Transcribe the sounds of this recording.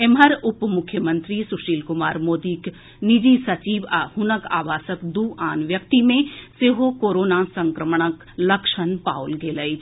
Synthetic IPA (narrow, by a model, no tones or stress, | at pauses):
emɦɐɾʊpmʊkʰːjəmə̃nt̪ɾisʊʃiːlkʊmaːɾmoːd̪iːk | nid͡ʒiːsɐt͡ʃiːʋahʊnəka̰ːʋaːsəkd̪uːʔaːnʋjɐkt̪imẽseːɦokoːɾoːnasɐ̃ŋkɾəmɳ̃ək | lɐkʃənpaːwlɡʱeːləi